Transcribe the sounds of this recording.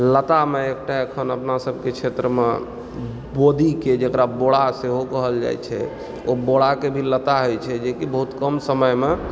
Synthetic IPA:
lət̪ameek̚ʈaəkʰənəpnasəb̚ʱket͡ʃʰet̪ɾəmḛ | bod̪iked͡ʒekɾaboɽaseɦokəɦəld͡ʒa̰jt͡ʃʰɛ̰ | oboɽakebʱilət̪aɦojt͡ʃʰɛd͡ʒekibəɦut̪kəmsəməjme

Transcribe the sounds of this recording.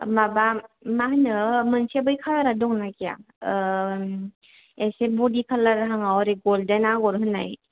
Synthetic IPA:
mabamahɯnɯmɯnsebɯjkʰalaɾadɔŋnakija̰ | esebɔdikʰalaɾaɦaŋawɾeɡɔldanaɡɔɾɦɯnːa̰j

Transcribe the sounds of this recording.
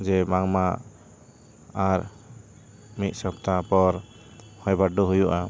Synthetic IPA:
d͡ʒɛmaŋma | aɾ | mit̪̚ˀsɔb̚t̪apɔɾ | hɔjbaɖuɦujuʔa

